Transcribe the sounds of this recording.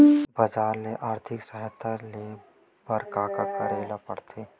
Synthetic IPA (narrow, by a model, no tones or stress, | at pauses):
bəd͡ʒaːɾleʔaːɾt̪ʰɪksəɦɛt̪ʰale | bəɾkaːkakəɾeːlapə̰ɽ̤t̪ʰeː